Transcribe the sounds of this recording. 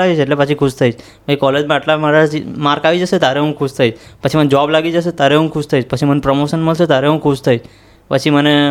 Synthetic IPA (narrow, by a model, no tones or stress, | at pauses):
ait͡ʃeʈlepət͡ʃʰikʰuʃt̪ʰait͡ʃʰ | bʱaikɔled͡ʒmãaʈlamaɾaimaɾkaʋid͡ʒəʃet̪jaɾeɦũkʰuʃt̪ʰait͡ʃʰpət͡ʃʰimənd͡ʒəʋablaɡid͡ʒəʃ̬et̪aɾeɦũkʰuʃt̪ʰait͡ʃpət͡ʃʰimənpɾəmoʃənməlʃet̪aɾeɦũkʰuʃt̪ʰait͡ʃʰ | pət͡ʃʰiməne